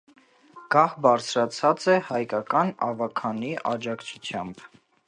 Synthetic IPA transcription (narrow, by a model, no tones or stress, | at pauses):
ɡ̥ɑhbɑɾt͡sʰɾɑt͡sʰɑt͡sɛhɑjkɑkɑnɑ̰vɑkʰɑniʔɑd͡ʒɑkt͡sʰu̥t͡sʰjɑ̰mb̥